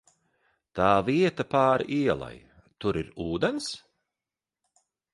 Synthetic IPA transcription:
t̪aːviɛt̪apaːɾʔiɛlˠa̰j | t̪uɾiɾuːd̪ɛns

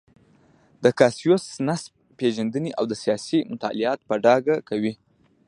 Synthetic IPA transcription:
d̪əkasijosnasb̚ | peʒand̪əniʔawd̪əsijɑsimʊt̪ɑ̰lɪɑt̪pəɖɑɡakawi

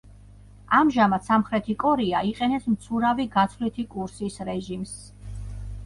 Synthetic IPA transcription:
amʒamat̪samχɾɛt̪ʰikʼɔɾiaiqʼɛnɛsmt̪sʰuɾaviɡat̪sʰvlit̪ʰikʼuɾsisɾɛʒims

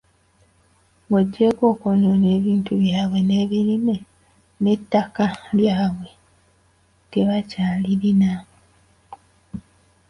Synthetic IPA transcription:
ɡoɟːe̞ko̞ːkonone̞ːβiːntuβjaːβwe̞ne̞ːβilime̞ | ne̞tːakaljaːβwe̞ | te̞βacaːliɾina

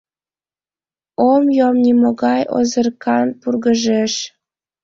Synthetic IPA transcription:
omjomnʲimoɣɑjo̰zɤ̆rkʰɑnpurɣɤ̆ʒeʃ

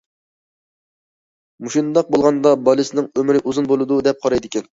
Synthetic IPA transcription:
muʃind̪ɑq̚bolˠʁɑnd̪ɑbɑlˠɨsɪnɪŋømɾɪʔuzunbolˠɨd̪ud̪ɛp̚qʰɑɾɑjd̪ɪkʲɛn

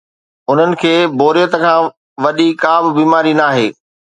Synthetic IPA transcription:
ʊn̤ənɪ̆kʰeːboːɾijət̪ə̆kʰãː | ʋɐɗikaːbɪ̆biːmaːɾinaːɦeː

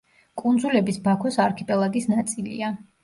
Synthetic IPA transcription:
kʼund̪zulɛbisbakʰwɛsaɾkʰipʼɛlˠaɡisnat̪sʼilḭa

